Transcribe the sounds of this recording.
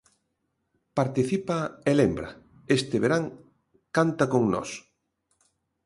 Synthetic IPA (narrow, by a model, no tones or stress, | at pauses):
paɾt̪iθipaelembɾɐ̰ | est̪ɪβeɾaŋ | kant̪ɐkoŋnɔ̰s